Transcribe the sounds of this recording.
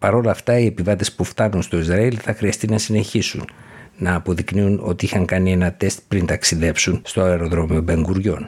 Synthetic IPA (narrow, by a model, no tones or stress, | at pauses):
pɐɾo̞lɐft̪ɐie̞pivɐt̪e̞spuft̪ɐnunst̪o̞izɾɐilθɐxɾiɐst̪inɐsine̞çisṵnnɐːpo̞ðikniuno̞̰t̪iixɐŋkɐnie̞nɐt̪e̞st̪̚pɾint̪ɐksiðe̞psunst̪oeɾo̞ðɾo̞mio̞be̞ŋɡuɾʝo̞n